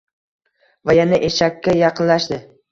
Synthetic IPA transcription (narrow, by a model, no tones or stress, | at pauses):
vajanaʔeʃakʲʰːajɑqʰɨnlaʃd̪ɪ